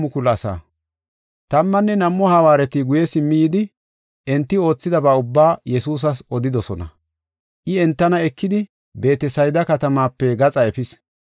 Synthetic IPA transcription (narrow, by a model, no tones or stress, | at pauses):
mʊkʊlɐsa̰ː | t̪ɐmːɐnːɛnɐmːɔhɐwaːɾɛt̪ɪɡʊjɛsɪmːɪjɪd̪ɪ | ʔɛnt̪ːɪo̞ːt͡sːɪd̪ɐbɐʊbːaːjɛsuːs̬ɐsɔd̪ɪd̪ɔsɔnɐ̰ | ʔɪɛnt̪ːɐnɐɛkːɪd̪ɪ | be̞ːt̪ɛsɐjd̪ɐkɐt̪ɐmaːpːɛɡɐt͡sʼɐɛpɪs